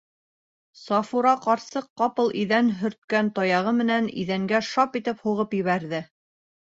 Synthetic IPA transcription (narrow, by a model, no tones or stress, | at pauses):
sɑfuɾɑqɑɾsɤqːɑpɤlˠʔiðænɦɵ̆ɾt̪̚kænt̪ɑjɑʁɤmɘ̆nænḭðæŋɡæʃɑpit̪ɘphuʁɤpjɘ̆βæɾðɘ